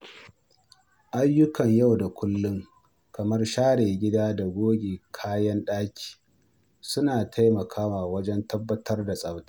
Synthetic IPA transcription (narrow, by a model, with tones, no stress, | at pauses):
ʔa˦jːʊ˦kɐ˨ɲja˦˨wda˨kʷʊ˦lːʊ˦ŋ | kɐ˨mɐ˦rʃaː˦ɽeː˨ɡʲɪ˦daː˦da˨ɡʷoː˦ɡʲeː˨kʰaː˦jɐ˦nɗaː˦kʲʰi̥ː˨ | sʊ˦naː˨tʰa˦jmɐ˨kʰaː˦waː˨wɐ˦d͡ʒɛ˦ntɐ˦bːɐ˦tʰɐ˦rda˨sʼɐ˦wta˦